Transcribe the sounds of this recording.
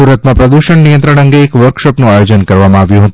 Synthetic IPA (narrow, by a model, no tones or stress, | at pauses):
uɾət̪mãpɾəd̪uʃəɳnijə̃nt̪ɾəɳ̃əŋɡeːkʋəɾkʃɔpnũajod͡ʒənkəɾʋamãaʋjũɦət̪